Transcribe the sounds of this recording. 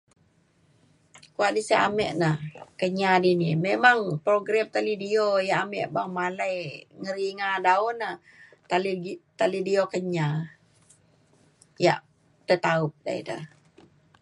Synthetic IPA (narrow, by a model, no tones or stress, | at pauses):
kuaʔdisaʔa̰mɛ̰ʔnahkəɲadinimemaŋpɾoɡɾɛmt̪alidiojaʔamɛ̰ʔbaŋmalajŋəɾiŋadaunah | t̪alt̪alidiokəɲa | ja̰ʔ | t̪ət̪aʊp̚da̰ḭdə̰